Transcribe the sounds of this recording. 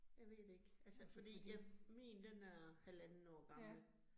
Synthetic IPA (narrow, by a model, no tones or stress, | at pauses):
jɑ̈ɪʋe̝̰ːd̥e̝ɡ̥ʔælsəfɒ̽d̥ḭːjɑ̈ɪmḭːnd̥enæɐhælæn̩ɒ̰ːɡ̥ɑ̈ml̩